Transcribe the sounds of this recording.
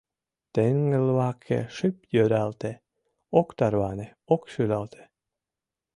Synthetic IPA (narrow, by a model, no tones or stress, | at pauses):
t̪eŋːelwɑkʰːḛʂɨpjøɾælt̪e | okt̪ɑɾvɑneokʃylælt̪ʰe̥